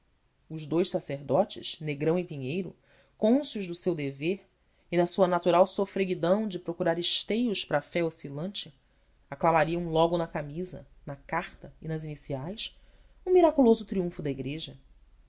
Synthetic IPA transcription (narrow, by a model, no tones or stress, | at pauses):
ʊʒd̪ojʃsaseɾd̪ɔt͡ʃɪ̰ʃneɡɾɐ̃w̃ipiɲejɾʊ̰ | kõsiʊʒd̪ʊsewd̪eveɾ | ɪnɐsuɐnat̪uɾawsofɾeɡid̪ɐ̃w̃d͡ʒɪpɾokuɾaɾɪʃt̪ejʊʃpɾɐfɛosilɐ̃nt͡ʃɪ | aklamaɾiɐ̃w̃lɔɡʊnɐkamizɐ̰ | nɐkaχt̪ɐinɐzinisiajs | ũmiɾakulozʊt̪ɾiũfʊd̪ɐiɡɾeʒɐ